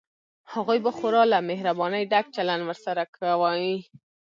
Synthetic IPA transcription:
haɣojbaxʊɾɑlamehɾabɑnəjɖak̚t͡ʃalandwəɾsaɾakawəji

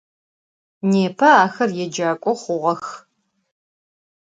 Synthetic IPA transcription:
neːpʰɐaːxɐrjɛd͡ʒaːkʷʼɔχʷʊʁɐx

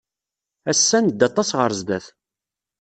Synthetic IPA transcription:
æsːænd̪ːɑt̪ˤːɑsʁəɾzd̪æθ

